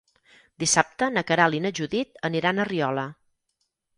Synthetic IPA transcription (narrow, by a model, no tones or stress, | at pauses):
d̪isap̚t̪ənəkəɾalinəʒuðit̪əniɾanəriɔlə